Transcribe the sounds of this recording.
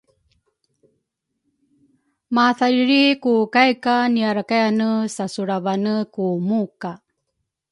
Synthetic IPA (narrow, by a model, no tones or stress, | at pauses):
maθaliɾikukajkaniaɾakajanəsasuɾavanəkumuka